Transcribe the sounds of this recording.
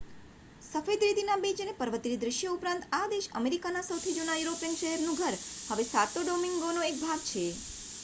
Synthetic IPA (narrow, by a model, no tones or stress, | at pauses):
səfed̪ɾid̪ʱinabid͡ʒənepəɾʋət̪iɾid̪ɾɪʃjəupɾãnt̪ad̪eʃə̰meɾikanasəwt̪ʰid͡ʒunajuɾopijənʃəɦɛɾnũɡʱəɾhəʋesat̪oɖomiŋɡonoek̚bʱaɡt͡ʃʰe